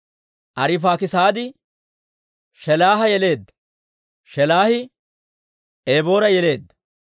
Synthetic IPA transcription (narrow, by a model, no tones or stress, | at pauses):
ʔɐɾɪf̬aːkɪsaːd̪ɪ | ʃɛlaːɦɐjɛle̞ːd̪ːɐ̥ | ʃɛlaːhɪ | eːbo̞ːɾɐjɛle̞ːd̪ːɐ̥